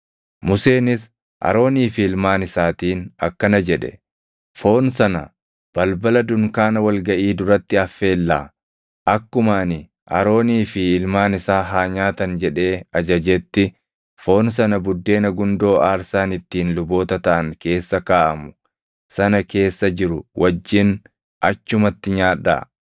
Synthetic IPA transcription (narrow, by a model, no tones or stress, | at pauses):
mʊse̞ːnɪs | ʔɐ̰ɾo̞ːniːfɪɪlmaːnɪsaːt̪iːnɐ̰kːɐnɐd͡ʒɛᶑɛ̰ | fo̞ːnsɐnɐ̰ | b̥ɐlbɐlɐd̪ʊŋkaːnɐwɐlɡɐʔiːd̪ʊɾɐt̪ːɪɐfːe̞ːlːaː | ʔɐkːʊmaːnɪ | ʔɐ̰ɾo̞ːniːfɪɪlmaːnɪsaːɦaːɲaːt̪ɐnd͡ʒɛᶑe̞ːɐd͡ʒɐd͡ʒɛt̪ːɪ | fo̞ːns̬ɐnɐbʊd̪ːe̞ːnɐɡʊnd̪o̞ːʔaːɾsaːnɪt̪ːiːnlʊbo̞ːt̪ɐt̪ɐʔɐŋke̞ːsːɐkaːʔɐmʊ̥ | sɐnɐke̞ːsːɐd͡ʒɪɾʊwʔɐd͡ʒːɪn | ʔɐt͡ʃːʊmɐt̪ːɪɲaːᶑːa̰ː